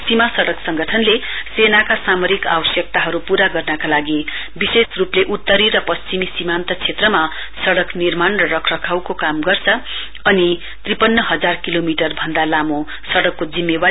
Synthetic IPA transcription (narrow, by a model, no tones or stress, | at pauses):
simasʌɽʌksʌŋɡʌʈʰʌnlesenakasamoɾika̰bʌsjʌk̚t̪aɦʌɾupuɾaɡʌrnʌkalaɡi | bisesrupleʔut̪ːʌɾirʌpʌst͡simisimant̪ʌt͡sʰet̪rʌma | sʌɽʌknirmanrʌrʌkʰrʌkʰawkokamɡʌrt͡sʰʌ | ʌni | t̪ripʌnːʌɦʌd͡zarkilomiʈʌrbʱʌnd̪alamo | sʌɽʌkːod͡zimːeba